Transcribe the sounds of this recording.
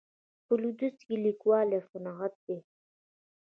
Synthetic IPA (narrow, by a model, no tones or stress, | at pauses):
pəlud̪ust̪kilikwɑːlefʊnaɣat̪̚d̪e